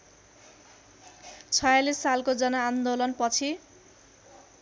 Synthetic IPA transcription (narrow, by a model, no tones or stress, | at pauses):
t͡sʰʌjalisːalkod͡zʌnʌand̪olʌnpʌt͡sʰi